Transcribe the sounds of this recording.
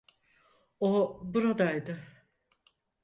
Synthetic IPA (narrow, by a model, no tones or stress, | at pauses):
obuɾad̪ajd̪ɪ